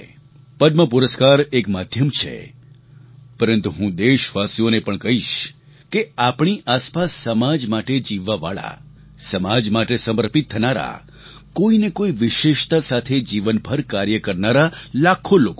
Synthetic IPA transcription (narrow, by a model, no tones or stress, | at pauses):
pəd̪məpuɾəskaɾekmad̪ʱjəmt͡ʃʰḛ | pəɾənt̪uɦũd̪eʃʋasijonepəɳkəɦiʃ | keapɳiʔaspasːəmad͡ʒmaʈed͡ʒiʋːaʋa̰ɭa̰ | səmad͡ʒmaʈesəməɾpit̪ʰːənaɾa̰ | koinekoiʋɪʃeʃt̪asat̪ʰed͡ʒiʋənbʱəɾkaɾjəkəɾnaɾalakʰoloko